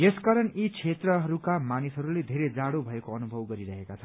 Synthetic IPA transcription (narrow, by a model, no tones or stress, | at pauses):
jeskaɾʌnit͡sʰet̪rʌɦʌɾukamanisɦʌɾuled̪ʱeɾed͡zaɽobʱʌekoʌnubʱʌwɡʌɾiɾʌɦekat͡sʰʌ